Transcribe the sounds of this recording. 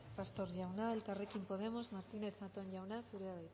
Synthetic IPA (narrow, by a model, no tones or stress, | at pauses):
past̪oɾʝawnaelkarekimpoð̞emozmaɾt̪ineθat̪oɲʎawnasuɾeaβej